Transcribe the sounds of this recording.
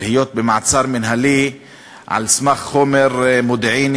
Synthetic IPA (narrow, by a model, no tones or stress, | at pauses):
hejot̪̚bemaʕt͡saɾminɦali | ʕa̰lsmaχχomeɾmod̪ʕin